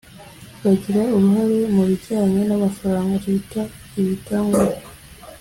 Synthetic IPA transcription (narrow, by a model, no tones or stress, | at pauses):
βaɟiɾauɾuɦaɾe̞muβiɟaːɲenamafaɾaːŋɡatita | iβitaːŋɡuɾa